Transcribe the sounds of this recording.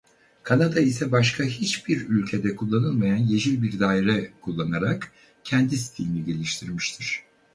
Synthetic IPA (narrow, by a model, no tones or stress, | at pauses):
kʰanad̪aisɛbaʃkʰaɦit͡ʃbiɾylʲcʰe̞d̪ɛkʰulˠːanɯlˠmajanje̞ʒilʲbiɾd̪aːiɾɛkʰulˠːanaɾak | cʰɛnd̪ist̪ʰiliniɟe̞lʲiʃt̪ʰiɾmiʃt̪ʰiɾ̥